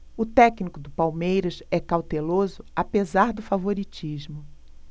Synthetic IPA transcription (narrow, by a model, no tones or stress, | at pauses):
ʊt̪ɛknikʊd̪ʊpawmejɾɐsɛkawt̪elozʊapezaɾd̪ʊfavoɾit͡ʃiʒmʊ